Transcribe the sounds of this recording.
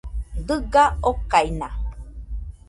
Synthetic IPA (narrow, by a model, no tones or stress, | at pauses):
dɨɡaokaina